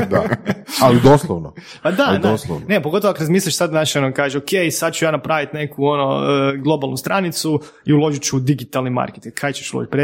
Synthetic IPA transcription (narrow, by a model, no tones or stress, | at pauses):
d̪a̰alid̪oslˠoʋno | pad̪anoslˠo̰nnepoɡt̪oʋoakɾazmiːslʎʲaʃsad̪naʃeonokaːʒeokejisad̪̚t͡ʃujaːnapɾaːʋit̪ne̞kuo̞noəɡlˠo̞balˠnust̪ɾanit̪su | iulˠo̞ʒit͡ʃuud̪iɡit̪alˠnima̰ɾket̪iŋɡkʰːajt͡ɕeʃulo̰ʒit̪̚ʲpɾe